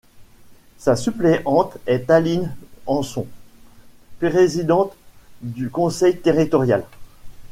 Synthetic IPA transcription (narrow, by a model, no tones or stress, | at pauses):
sasypleʔɑ̃t̪ɛt̪alinɑ̃sɔ̃ | pʁezid̪ɑ̃t̪d̪ykɔ̃sɛjt̪eʁit̪ɔʁjal